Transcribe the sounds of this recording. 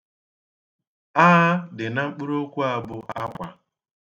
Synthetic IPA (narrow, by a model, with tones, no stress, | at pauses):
aː˦dɪ˨na˦ŋ͡m̩˦k͡pu˦ɾo˦kʷu˦a˦bʊ˦ʔa˦kʷa˨